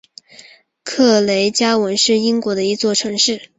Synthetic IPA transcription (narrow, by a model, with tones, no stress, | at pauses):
kʰɤ˥˩le˧˥ɪt͡ɕja˥wə˧˥nʂɻ̩˥˩i˥ŋkwɔ˧˥d̪ə˧i˧˥t͡swɔ˥˩ʈ͡ʂʰɤ˧˥ŋʂɻ̩˥˩